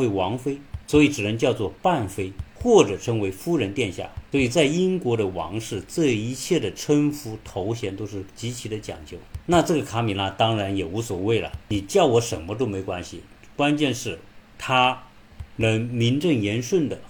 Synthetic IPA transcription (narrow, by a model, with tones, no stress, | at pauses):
e˧˥ɪwɑ˧˥ŋfe˥ɪswɔ˧˥i˧˥ʈ͡ʂɻ̩˨˩nə˧˥ŋt͡ɕjɑ˥˧ʊt͡swɔ˥˧pa˥˩nfe˥ɪxwɔ˥˩ʈ͡ʂɤ˨˩ʈ͡ʂʰɤ˧˥ŋwe˧˥ɪfu˥ɻə˧˥nt̪jɛ˥˧nɕja̰˥˩swɔ˧˥i˨˩t͡sa˥˩ɪi˥ŋkwɔ˧˥ɾə˧wɑ̰˧˥ŋʂɻ̩˥˩t͡sɤ˥˩i˧˥t͡ɕʰjɛ˥˩d̪ə˩ʈ͡ʂʰwə˥nfu˧˥t̪ʰo˧˥ʊɕjɛ˧˥nt̪o˥ʊʂɻ̩˥˩t͡ɕi˧˥t͡ɕʰi˧˥d̪ə˧t͡ɕjɑ̰˨˩ŋt͡ɕjo˥˩ʊna˥˧ʈ͡ʂɤ˥˩ɡə˩kʰa˥mi˧˥nla˧t̪ɑ˥ŋɻa˧˥njɛ˨˩u˧˥swɔ˨˩we˥˩ɪlə̰˩ni˨˩t͡ɕjɑ˥˩ʊwɔ˧˥ʂə˧˥˩nmə˧t̪̬o˥ʊme˧˥ɪkwa˥nɕḭ˨ | kwa˥nt͡ɕjɛ˥˧nʂɻ̩˥˩t̪ʰa˥ | mə˧˥nmi˧˥nʈ͡ʂɤ˥˩ŋjɛ˧˥nʂwə˥˩nd̪ə˩